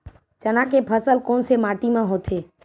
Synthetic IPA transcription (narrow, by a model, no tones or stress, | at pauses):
t͡ʃənãkepʰəsəlkoːnsemaːʈimãɦoːt̪ʰeː